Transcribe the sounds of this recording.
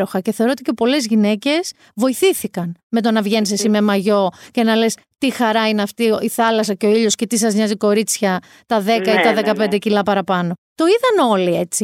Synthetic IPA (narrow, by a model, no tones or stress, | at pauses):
ɾo̞xɐce̞θe̞o̞ɾoot̪icepo̞le̞zʝine̞ce̞s | vo̞iθiθikɐnme̞t̪o̞nɐvʝe̞nsesime̞mɐʝo̞ce̞nɐle̞s | t̪ixɐɾɐineɐft̪ioiθɐlɐsɐceo̞iʎo̞sce̞t̪isɐzɲɐziko̞ɾit͡sçɐ | t̪ɐðe̞kɐit̪ɐðe̞kɐpe̞nd̪e̞cilɐpɐɾɐpɐno̞t̪o̞iðɐno̞lie̞t͡si